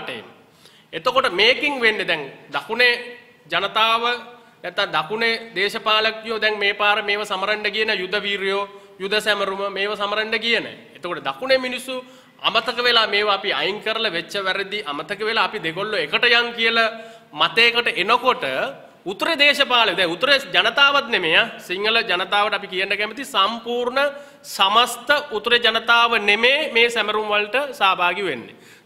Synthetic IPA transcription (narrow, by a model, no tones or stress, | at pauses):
ʈḛm | et̪okoʈəmeːkiŋʋenɖed̪ɛŋd̪akune | d͡ʒanət̪aːʋə | nɛt̪ːad̪akuned̪eːʃɐpaːləkːijod̪ɛŋmeːpaːɾəmeːʋəsaməɾɐɳɖəkijənəjud̪ʱːəʋiːɾjo | jud̪ːəsæməɾuməmeːʋəsaməɾɐɳɖəkijənə̰ | et̪okoʈəd̪akuneminisːu | a̰mət̪əkəʋelaːmeːʋəapia̰jŋkəɾəlɐʋet͡ʃːəʋæɾed̪iʔamət̪əkəʋelaːpid̪eɡolːoekəʈəjaŋkijəla | mat̪eːkəʈəʔenəkoʈə | ut̪ːɾed̪eːʃɐpaːləʋd̪ɛut̪ːəɾed͡ʒɐnət̪aːʋat̪nemejasiŋːələd͡ʒɐnət̪aːʋəʈapikijənːəkæmit̪isɐmpuːɾɳə | sɐmɐst̪əʔut̪ɾed͡ʒɐnət̪aːʋənemeːmeːsæməɾumʋalʈəsaːbʱaːɡiʋenːḛ